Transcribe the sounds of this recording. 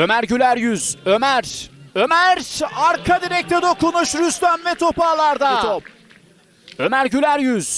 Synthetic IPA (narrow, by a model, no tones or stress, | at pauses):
ø̞mæɾɟylʲæɾjyz̥ømæɾømæɾaɾkʰad̪iɾɛc̚t̪ʰed̪okunuʃɾyst̪ʰæmvɛt̪ʰo̞paːlˠaɾd̪aop | ømæɾɟylʲæɾjyz̥